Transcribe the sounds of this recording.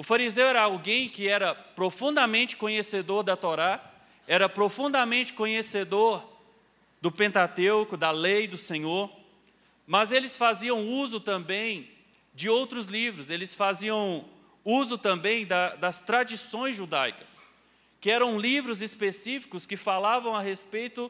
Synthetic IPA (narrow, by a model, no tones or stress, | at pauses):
ʊfaɾizewɛɾɐawɡẽj̃kɪɛɾɐpɾofũnd̪ɐmẽnt͡ʃɪ̥kõɲesed̪oɾd̪ɐt̪oɾa | ɛɾɐpɾofũnd̪ɐmẽt͡ʃɪ̥kõɲesed̪oɾ | d̪ʊpẽnt̪at̪ewkʊd̪ɐlejd̪ʊsẽɲoɾ | mɐzelɪsfaziɐ̃w̃uzʊt̪ɐ̃mbẽj̃ | d͡ʒɪowt̪ɾʊzlivɾʊzelɪsfaziɐ̃w̃ | uzʊt̪ɐ̃mbẽj̃d̪ɐd̪ɐst̪ɾad͡ʒisõj̃zʒud̪ajkɐ̥s | kɪɛɾɐ̃w̃livɾʊzɪspesifi̥kʊskɪfalavɐ̃w̃ɐɦespejt̪ʊ